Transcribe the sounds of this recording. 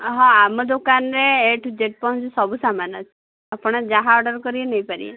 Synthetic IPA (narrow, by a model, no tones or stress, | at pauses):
ɦɔ̃amɔd̪okanɾeːʈʰud͡ʒeʈ̚pɔɦũt͡ʃisɔbusamanɔt͡ʃʰi | apɔɽ̃ɔd͡ʒaɦaɔɖɔɾkɔɾienejpaɾḭḛ